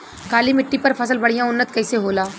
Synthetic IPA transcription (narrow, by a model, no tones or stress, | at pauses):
kaːlimɪʈːipɐɾpʰəsəlbɐɽ̤ijãʊnːət̪̚kɐɪseɦoːlaː